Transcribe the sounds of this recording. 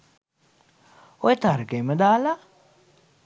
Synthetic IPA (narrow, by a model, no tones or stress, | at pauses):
ɔjt̪aɾɡemɐd̪aːla